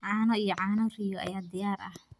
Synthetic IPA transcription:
ʕɑːnɔijɔʕaːnɔrijɔɐ̰jaːd̪ɪjaːrʔɐh

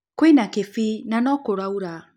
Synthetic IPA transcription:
kwinakefinanɔkoɾauɾa

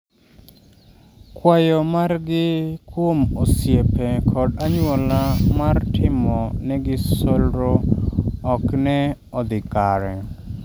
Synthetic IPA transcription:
kwajɔmarɡɪkwomosjepɛkʰɔdaɲwolamartʰɪmɔnɛɡɪsolɾo | ɔknɛ | ɔd̪ɪkaɾɛ

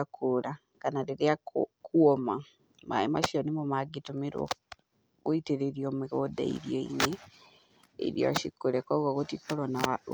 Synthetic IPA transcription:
akʰula | kanaɾeɾeakuoma | ma̰ima̰ʃionimomaɡitomiɾwo̰ | ɣoiteɾeɾiomiɣoda̰ḭɾjoḭne | ḛɾjo̰a̰ʃikuɾekoɣokotikoɾona

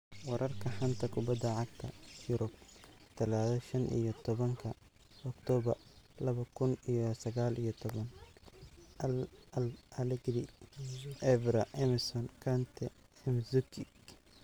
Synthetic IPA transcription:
wɑɾʔɐrkʰɐħɐnt̪ʰɐkʰʊbɐd̪ːɐʕɑɡ̚t̪ʰɐ̰jʊɾɔb̚t̪ʰɐlaːðɐʃɐnʔḭjɔt̪ʰɔβɐŋkʰɐ | ɔkt̪ʰɔːβɐrlɐβɐkʰʊnijɔsɐɣaːlijɔt̪ʰɔβɐn | lɐlɛɡɾi | ʔɛvɾɐʔɛmɪsɔnkʰant̪ʰɛɛmzʊkʰɪɡ

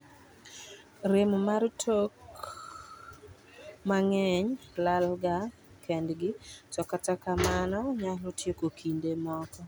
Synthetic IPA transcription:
ɾemmaɾtʰok | maŋɛɲlalɡa | kʰendɡɪt͡ʃɔkatakamanɔɲalotjekokʰindemɔkɔ

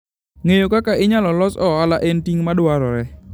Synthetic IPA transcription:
ŋejokakaʔɪɲalɔlɔsɔalaʔentiŋmadwaɾɔɾɛ

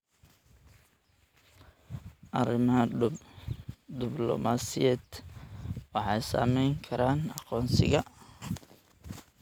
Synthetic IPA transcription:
ʔɐrɪmɦɐ | d̪ɪblɔ̰maːsɪjɛːd̪ | wɑħɑjsa̰ːmɛjŋkʰɐɾaːnɑqɔːnsɪ̰ɣɐ

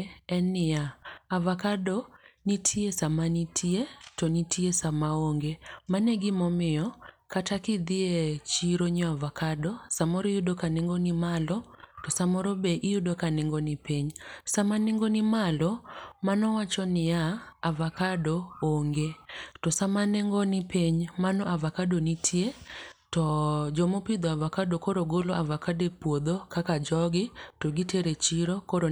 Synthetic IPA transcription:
ɛnɪjaavakadɔnitʰiesamanitʰietɔnitiesamaoŋɡemanɛɡɪmɔmɪjɔkatakɪd̪ɪet͡ʃiɾoɲɔavakadɔsamɔɾɔjudokanɪŋɡɔnɪmalɔtɔsamɔɾɔbeʔɪjudokanɪŋɡɔnɪpiɲsamanɪŋɡonɪmalɔmanɔwat͡ʃɔnɪjaavakadooŋɡetɔsamaneŋɡɔnɪpeɲmanɔavakadonitʰjetɔd͡ʒɔmopɪd̪ɔavakadokoɾoɡoloavakadepwod̪okakad͡ʒɔɡɪtɔɡiteɾet͡ʃiɾokoɾo

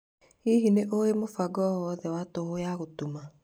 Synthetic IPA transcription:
hiɦineʔoemofaɡɔɔðɛwatohojaɣotuma

